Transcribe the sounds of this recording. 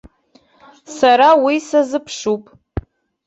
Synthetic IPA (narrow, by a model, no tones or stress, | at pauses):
saɾawisazɨpʰʂupʼ